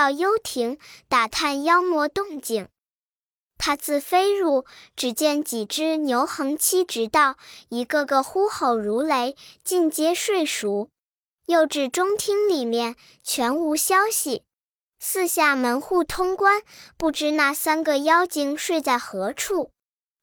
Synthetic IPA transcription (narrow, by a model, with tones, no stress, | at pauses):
ɑ˥˩ʊjo˥ʊt̪ʰi˧˥ŋt̪a˨˩t̪ʰa˥˩njɑ˥ʊmwɔ˧˥t̪ʊ˥˩ŋt͡ɕi˨˩ŋ | t̪ʰa˥t͡sʰɹ̩˥˩fe˥ɪɻu˥˩ʈ͡ʂɻ̩˨˩t͡ɕjɛ˥˩nt͡ɕi˨˩ʈ͡ʂɻ̩˥njo˧˥ʊxɤ˧˥ŋt͡ɕʰi˥ʈ͡ʂɻ̩˧˥t̪ɑ˥˩ʊi˧˥kɤ˥˧ɡə˨xu˥xo˨˩ʊɻu˧˥le˧˥ɪt͡ɕi˥˩nt͡ɕjɛ˥ʂwe˥˩ɪʂu˧˥ | jo˥˧ʊʈ͡ʂɻ̩˥˩ʈ͡ʂʊ˥ŋt̪ʰi˥ŋli˨˩mjɛ˥˩n | t͡ɕʰɥɛ˧˥nu˧˥ɕjɑ˥ʊɕi˨˩ | sɹ̩˥˧ɕja˥˩mə˧˥nxu˥˩t̪ʰʊ˥ŋkwa˥npu˥˩ʈ͡ʂɻ̩˥na˥˩sa˥nɡə˨jɑ˥ʊt͡ɕi˨˩ŋʂwe˥˧ɪt͡sa˥˩ɪxɤ˧˥ʈ͡ʂʰu˥˩